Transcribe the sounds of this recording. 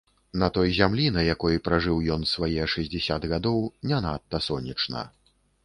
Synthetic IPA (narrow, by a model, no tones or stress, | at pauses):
nɐt̪ɔjzʲamlʲinɐjakɔjipɾaʐɨwjɔnsvajɛʂɐzʲd͡zʲɛsʲad̪ɣad̪ɔwnʲanat̪ːɐsɔnʲit͡ʂnɐ̰